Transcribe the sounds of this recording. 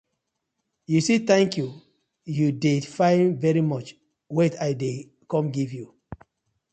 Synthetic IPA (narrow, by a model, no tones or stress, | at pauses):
jusit̪ɛ̃ŋkju | judefãnvɛɹimɔt͡ʃ | wetaɪde | kɔ̃mɡivju